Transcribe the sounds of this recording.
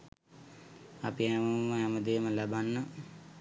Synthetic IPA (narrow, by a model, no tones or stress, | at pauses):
apiɛməməɦaməd̪eːməlabanːə